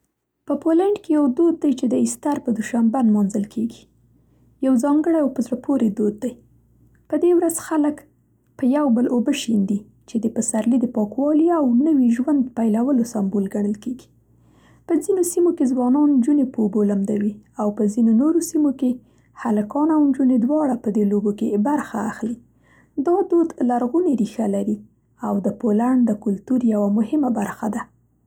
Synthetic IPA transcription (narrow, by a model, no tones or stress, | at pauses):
pəpolaɳɖkejawd̪od̪̚ːajt͡ʃed̪əɪst̪aɾpəd̪uʃambanmɑnzəlkʰeɡi | jawzɑŋɡəɽajawpəzɾapʰoɾed̪od̪̚ːaj | pəd̪ewɾazxalək | pəjawbəlʔobəʃind̪i | t͡ʃed̪əpəsaɾlid̪əpɑkwɑliawnəwiʒwand̪pajlawəlosambolɡaɳ̃əlkeɡi̥ | pəzinosimokezwɑnɑnnd͡ʒunepəobolamd̪awiawpəzinonoɾosimoke | haləkɑnawnd͡ʒuned̪wɑɽapəd̪elobokebaɾxaːxli | d̪ɑd̪od̪laɾɣuneɾixalaɾi | awd̪əpolaɳd̪əkʊlt̪uɾjawamʊhɪmabaɾxad̪a